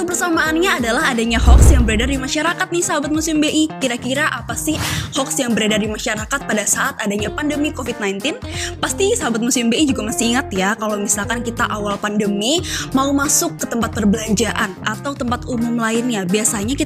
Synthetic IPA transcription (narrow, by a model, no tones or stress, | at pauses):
kəpərsamaːnɲaːdalaɦadaɲahɔksjaŋbəɾadadimaʃaɾakat̪̚nɪhsaɦabat̪̚musɪmbeʔikiɾakiɾaʔapasɪhhɔksjaŋbəɾadadimaʃaɾakat̪̚padasaʔat̪adaɲapandəmikofit̪̚najnt̪ɪnpast̪isaɦabat̪̚musɪmbeid͡ʒuɡamasiiŋat̪jakalawmisalkankit̪aʔawalpandəmimaumasʊkːət̪əmpat̪̚pərbəlaɲd͡ʒaʔanʔat̪awt̪əmpat̪umʊmlaɪnɲabiasaɲaki